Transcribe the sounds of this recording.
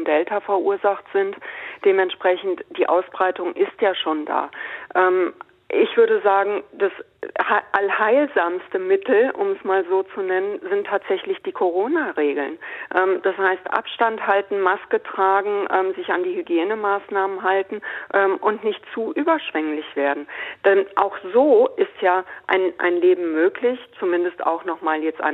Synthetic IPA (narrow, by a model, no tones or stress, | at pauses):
ndɛltɐfɛɐʔṵːɐzaχtz̥ɪntd̥eːmɛntʃpʁ̥ɛçn̩td̥iːʔaʊsb̥ʁaɪtʊŋʔɪstjaːʃoːnda̰ːʔɛːm | ʔɪçv̥ʏɐɾdəzaːɡŋ̩d̥ashaʔalhaɪlzaːmstəmɪtl̩ʔʊ̰mɛsmaːlzoːt͡sunɛnənzɪntʰːaːtz̥ɛçlɪçd̥iːkʰoʁ̞oːnaʁeːɡl̩nʔɛːmd̥ashaɪstʔa̰pʃtanthaltn̩maskətʁ̥aːɡŋ̩ʔɛːmzɪçandiːhyɡjeːnəmaːsnaːmənɦaltn̩ʔɛmʔʊntnɪçtt͡suːʔyːbɐʃv̥ɛŋlɪçv̥eːɐdn̩d̥ɛnʔaʊxz̥oːʔɪstjaːʔa̰ɪnʔa̰ɪnleːbm̩møːklɪçt͡sumɪndəsta̰ʊxnɔχmaːljɛt͡stʔa̰ɪ